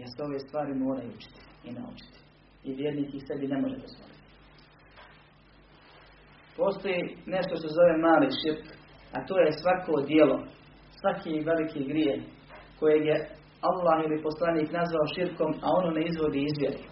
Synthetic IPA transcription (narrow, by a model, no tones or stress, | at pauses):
jeɾseo̞ʋe̞ːst̪ʋaːɾimo̞ːɾajuut͡ʃi̥t̪i̥ | ina̰ṵt͡ʃi̥t̪i̥ | iʋjeɾniːkixse̞bine̞mo̞ʒed̪ozʋo̰lit̪i̥ | po̞st̪o̞jine̞ʃt̪oʃt̪e̞zo̞ʋe̞maːliːʃiɾk | at̪oːjesʋakoːd̪jelo̞̰ | sʋakʰiʋe̞likʰiːɡɾjieːh | ko̞jeːɡje | alˠːaːhilipo̞slˠaniːknazʋaoʃiɾko̞mao̞noːneizʋo̞d̪iːizʋʲjed̪i